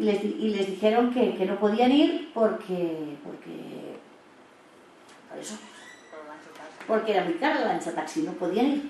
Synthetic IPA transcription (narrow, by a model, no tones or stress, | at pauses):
lezðiʔile̞zðixe̞ɾo̞ŋkeke̞no̞po̞ðianiɾpoɾkʰepo̰ɾkḛ | oḛso | at͡ʃspo̞ɾkeeɾamikaɾelant͡ʃat̪aksinopo̞ðianiɾ